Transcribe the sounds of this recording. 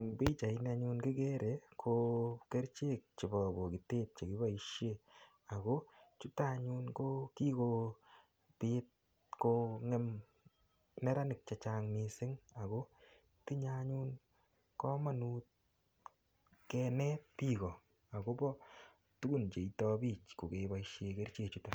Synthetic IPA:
bi˦t͡ʃa˨ɪ˦na˧ɲu˧nkɪ˦ke˦ɾʔe˨kʰo˧ke˦ɾt͡ʃe˦k̚t͡ʃɪ˨bɔ˨bɔ˨ki˨te˦t̚t͡ʃe˨kɪ˦ba˦i˦ʃe˦ | a˨ko˦t͡ʃu˦ta˦ɲu˧nko˦ki˦ko˧ | pɪ˦t̚ | ko˧ŋɛ˦m | nɛ˦ɾa˦nɪ˨k̚t͡ʃa˨t͡ʃa˧ŋmɪ˨sɪ˦ŋa˨ko˦ | ti˦ɲa˦ɲu˦n | kɔ˦ma˨nu˦t̚ | kɛ˧nɛ˦tpi˦kɔ˨ | a˨ko˦bɔ˦ | tu˦ɡu˦nt͡ʃe˨i˨tɔ˦bi˦t͡ʃko˨ke˨˦ba˨iʃe˨ke˦ɾt͡ʃe˦kt͡ʃu˦ta

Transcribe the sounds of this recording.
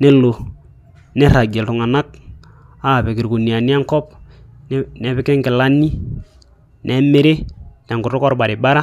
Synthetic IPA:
nɛ˦lo˨ | nɛ˦ɾa˨ɡɛ˨ltʊ˨ŋa˨na˦k̚ | a˦˨pɛ˨kɪ˨ɾku˨ni˨a˨ni˦a˦ŋkɔ˦p̚nnɛ˨˦pɪ˦kɛ˦ŋkɪ˨la˦ni˦ | nʔɛ˨me˦ɾe˦na˨ŋɡʊ˨ɾʊ˦kɔ˦ɾba˨ɾɪ˨ba˦ɾa˦

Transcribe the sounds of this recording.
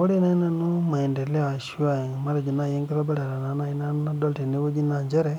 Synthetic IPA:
o˦li˦na˦i˦na˦nu˦ma˨e˨nde˨le˦a˨ʃu˦a˨ma˦ɾa˨d͡ʒi˨na˦˨je˦ŋki˦ɾa˦bɛ˦ɾa˨ɾa˨na˨˦na˦i˦na˦a˦dɔ˦lti˨ne˦βo˦d͡ʒi˦na˨ɲd͡ʒe˦ɾe˦

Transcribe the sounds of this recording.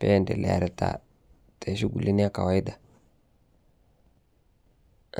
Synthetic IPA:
pe˦˨ndḛ˨lɛ̰˨a̰˨ɾa˨ta̰˨ | tʰe˨ʃi˦ɡu˨li˦ni˦a˦ka˨wa˨˦i˦da˨

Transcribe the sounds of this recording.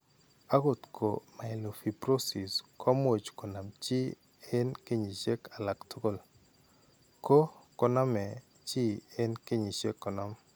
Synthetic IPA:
a˦ɣo˨tkʰo̰˨ma˨ɪ˨lo˨fi˨pɾo˦si˨skʰɔ˦m˦o˨t͡ʃkɔ˨na˨mt͡ʃi˦ | ɛ˦nke˦ɲi˨t͡ʃe˦ka˨la˨ktʊ˦ko˦˨l | ko˦kɔ˦nɔ˦mɛ˨ | t͡ʃi˦ɛ˦nke˦ɲi˨t͡ʃe˦kːɔ˨nɔ˦m

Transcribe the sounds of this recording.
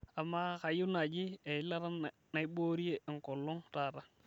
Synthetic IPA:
a˨mːa˦ka˨ju˦na˨d͡ʒi˦e˨i˦la˦ɾa˦n˨ | na˨i˦ɓo˦ɾi˦je˦i˨ŋ˨ko˨lːo˦ŋta˨ɾa˦

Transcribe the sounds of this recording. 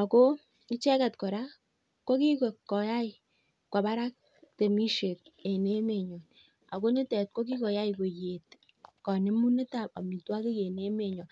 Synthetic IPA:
a˨ko˦ | kɪ˦t͡ʃɛ˦ka˨tkɔ˨ɾa˦ | ko˦ki˦ko˨kːɔ˨ja˦i˦ | kwa˨ba˦ɾa˦k̚ | te˨mi˦ʃe˨t̚e˨ne˦me˨ɲɔ˨n | a̰˨ko˦ni˦tɛ˨t̚kwo˦k̬i˦kɔ˨ja˦i˨ko˨je˨t | kɔ˨ne˦mu˦ne˦ta˨pa̰˨mi˨twa˦ki˦ke˨ne˦me˨ɲɔ˨

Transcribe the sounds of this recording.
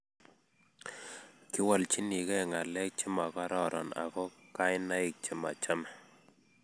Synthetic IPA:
kɪ˦wɔ˨lt͡ʃi˦ni˨ɡɛ˦˨ŋa˨lɛ˦k̚t͡ʃɪ˦ma˨ka˦ɾɔ˨ɾɔ̰˨na̰˨kɔ˦ka˦ɪ˦na˦ɪ˨k̚t͡ʃɪ˨ma̰˨t͡ʃa˦mɛ˨

